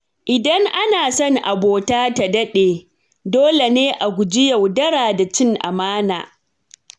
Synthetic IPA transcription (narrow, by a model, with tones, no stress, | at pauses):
ʔɪ˨dɐ˦ŋʔa˦naː˨sɐ˦ŋʔa˨boː˨taː˦ta˨dɐ˦ɗeː˨ | doː˦le˨neː˦ʔa˨ɡʷʊ˨d͡ʒɪ˦jɐ˨wdɐ˦ɽaː˨da˨t͡ʃɪ˦ŋʔa̰˨maː˦na̰ː˨